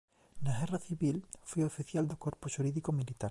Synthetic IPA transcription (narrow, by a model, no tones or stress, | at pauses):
naɣeraθiβilfwiofiθjald̪okoɾpuʃuɾiðikomilit̪aɾ